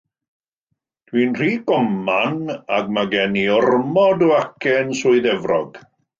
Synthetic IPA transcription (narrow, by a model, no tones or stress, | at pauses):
d̥wiːnr̥iːɡɔmanaɡmaɡɛniʊrmɔdɔakʰɛnsʊːɨðɛvrɔɡ̥